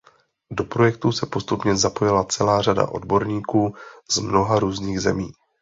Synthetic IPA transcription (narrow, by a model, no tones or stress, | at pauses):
do̞pɾo̞jɛk̚t̪usɛpo̞st̪upɲɛzapo̞jɪlat͡sɛlaːr̝ada̰ʔo̞̰dbo̞ɾɲiːkuːz̥mno̞ɦaɾuːzniːɣzɛmiː